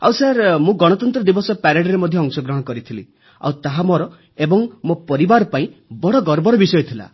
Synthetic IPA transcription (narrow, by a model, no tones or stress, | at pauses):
a̰wsaɾmũɡɔɽ̃ɔt̪ɔnt̪ɾɔd̪ibɔsɔpaɾeɽɔɾemɔd̪ʱjɔːŋsɔɡɾɔɦɔɽ̃ɔkɔɾit̪ʰili | a̰wt̪aɦamɔɾɔ | ebɔŋmopɔɾibaɾɔpaĩbɔɽɔɡɔɾbɔɾɔbisɔjɔt̪ʰila̰